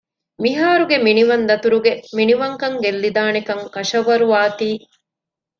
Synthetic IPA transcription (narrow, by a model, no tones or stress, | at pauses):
miɦaːɾuɡeminiʋɐnd̪ɐt̪uɾuɡeminiʋɐŋkɐŋɡelːid̪aːnekɐŋkɐʃɐʋɐɾuʋaːt̪iː